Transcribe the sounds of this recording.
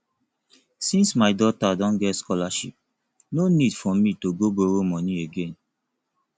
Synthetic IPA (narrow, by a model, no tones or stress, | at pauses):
sĩnsmaɪdɔtadɔ̃nɡɛtskɔlaʃḭp̚ | nonidfɔmitoɡoboɾomɔ̃nieɡẽn